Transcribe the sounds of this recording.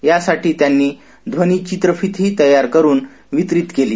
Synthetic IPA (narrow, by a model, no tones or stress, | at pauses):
jasaʈiːt̪janːiː | d̪ʱʋənit͡ɕit̪ɾəfit̪ɦiːt̪əjaɾkəɾuːn | ʋit̪ɾit̪keliː